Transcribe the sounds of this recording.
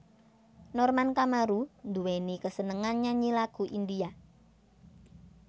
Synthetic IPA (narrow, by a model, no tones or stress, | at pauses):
nɔrmankamaɾund̪uwenikəsənəŋanɲaɲilaɡ̥ṳʔind̪ia